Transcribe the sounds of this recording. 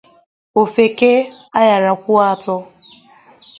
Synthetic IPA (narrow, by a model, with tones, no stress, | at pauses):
o˨fe˨ke˦ | a˦ja˨ɾa˨kʷʊ˦a˦˨tɔ˦